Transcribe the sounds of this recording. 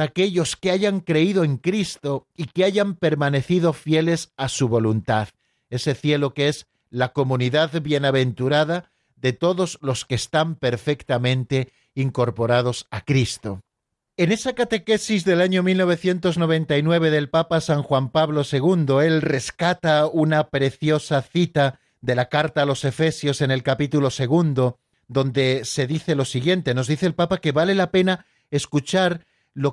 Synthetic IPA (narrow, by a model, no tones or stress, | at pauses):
ake̞ʎo̞skeaʝaŋkɾe̞ið̞oe̞ŋkɾist̪o̞ikeaʝampe̞ɾmãne̞θið̞o̞fje̞le̞sasuβo̞lunt̪að | e̞se̞θje̞lo̞kee̞z | lako̞mũniðaðβje̞naβ̞e̞nt̪uɾað̞a | ðe̞t̪o̞ðo̞zlo̞ske̞ːst̪ampe̞ɾfe̞kt̪amẽ̞nt̪e̞ | iŋko̞ɾpo̞ɾað̞o̞sakɾist̪o̞ | e̞ne̞sakat̪e̞ke̞sizðe̞laɲo̞milno̞β̞e̞θje̞nt̪o̞zno̞β̞ẽ̞nt̪ainwe̞β̞e̞ðe̞lpapasaŋxwampaβlo̞se̞ɣ̞und̪o̞e̞lre̞skat̪aunapɾe̞θjo̞saθit̪a | ðe̞lakaɾt̪aːlo̞se̞fe̞sjo̞se̞ne̞lkapit̪ulo̞se̞ɣ̞und̪o̞ | ðo̞nd̪e̞se̞ðiθe̞lo̞siɣje̞nt̪e̞no̞zðiθeːlpapake̞βale̞lape̞na | e̞skut͡ʃaɾ | lo̞